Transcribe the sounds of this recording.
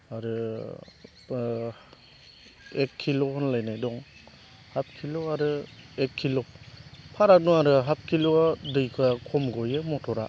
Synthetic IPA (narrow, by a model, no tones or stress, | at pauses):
aɾɯ | ekʰːilohɯnlajnajdɔŋ | hap̚kʰiloaɾɯekʰːilopʰaɾak̚nuaɾɯɦap̚kʰilodɯjkʰakʰɔmɡɔjemɔtʰɔɾa